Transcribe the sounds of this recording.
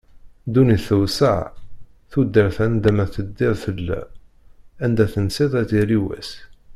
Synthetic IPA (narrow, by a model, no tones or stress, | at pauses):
d̪uniθəwsə̰ʕ | θud̪ːəɾθænd̪æmæθəd̪ːiʁθəlːæ̰ | ænd̪æθənsiðˤæt̪iɾiwæ̰s